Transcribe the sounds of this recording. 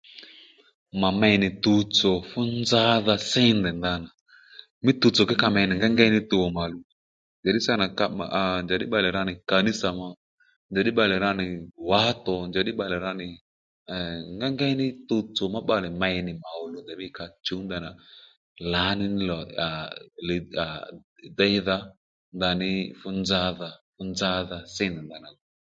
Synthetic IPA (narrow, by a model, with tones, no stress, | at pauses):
ma˨mɛ˧jnɪ˨t̪u˧t͡sɔ˨fʊ˦nd͡za˦ða˧sɪ˦ndɛ˨nda˧na˨ | mɪ˦t̪u˧t͡so˨kɪ˦ka˧mɛ˧˨nɪ˨ŋɡa˦ŋɡa˦nɪ˦t̪u˧˨wɔ˨ma˨lu˧ | nd͡ʒa˨ɗɪ˦sa˦na˨ka̰˧˨nd͡ʒa˨ɗɪ˦ɓa˧˨lɪ˨ɾa˧nɪ˨ka˨ni˦sa˨ma˧ | nd͡ʒa˨ɗɪ˦ɓa˧lɛ˨ɾa˧nɪ˨wa˨˦tɔ˨nd͡ʒa˨ɗɪ˦ɓa˧lɛ˨ɾa˧nɪ˨ | ŋɡa˦ŋɡa˦jnɪ˦to˧t͡so˨ma˦ɓa˦˨lɪ˨ma˧jnɪ˨ma˨ʊ˨lu˨˦da˨ɓɪ˦ka˧t͡ʃu˦nd̪a˨na˨ | la˨˦nɪ˦n˦lɔ˨a˨lɪ˨a˨da˦jða˧ | nd̪a˨nɪ˧fʊ˧nd͡za˧˦ða˨fʊ˧˦nd͡za˦ða˨sɪ˦ndɪ˨nda˨na˨ɡ